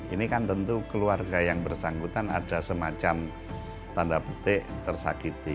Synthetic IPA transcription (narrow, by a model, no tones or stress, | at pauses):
inikant̪ənt̪ukəluarɡajaŋbərsaŋɡut̪ana̰d̥a̤səmat͡ʃam | t̪andapət̪ɪʔt̪ərsa̰kit̪i